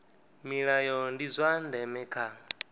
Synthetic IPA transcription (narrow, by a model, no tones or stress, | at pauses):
miɺajɔndizʷandɛmɛkʰa